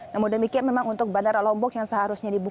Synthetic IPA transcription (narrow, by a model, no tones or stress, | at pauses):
namʊndəmikianmemaŋunt̪ʊk̚bandaralɔmbɔkjaŋsəɦaɾusɲadibu